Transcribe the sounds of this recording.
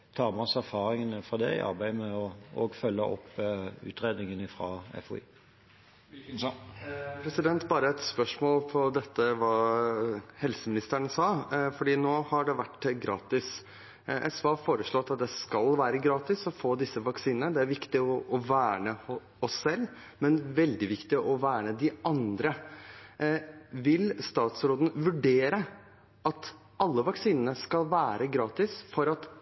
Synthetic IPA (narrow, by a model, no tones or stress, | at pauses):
t̪ʰɑːmɑsæʁfɑːʁɪŋənəfɔd̪ɛ̰ɪ̰ɑ̰ʁbæɪmɛɔo̰ːɡfœlːəɔ̰pʉ̰ːt̪ʁeːd̪nɪŋənɪfʁɑ̰ɛ̰fʊḭː | pʰɾɛsɪd̪ɛnt̪bɑːɾəɛt̪spœʂmoːlpʰɔd̪ɛt̪ːəʋɑː | hɛlsəmɪnɪst̪əɳəsɑːfɔɖiːnoːhɑɖɛʋæʈːɡɾɑːt̪ɪs | ʔɛsʋɑːfoːɾəʂɭoːt̪ɑt̪̚d̪ɛskɑlʋæːɾəɡɾɑːt̪ɪsɔfoːd̪ɪsːəʋɑksiːnənəd̪ɛæɾʋɪkt̪ɪɔɔʋæːɳə | ɔsːɛlː | mɛnʋɛld̪ɪʋɪkt̪ɪʔɔʋæːɳəd̪ɪʔɑnd̪ɾə | ʋɪlst̪ɑːt̪sɾoːd̪ən̩ʋʉɖeːɾə | ʔɑt̪ | ʔɑlːəʋɑksiːnənəskɑlʋæːɾəɡɾɑːt̪ɪsfɔɾɑt̪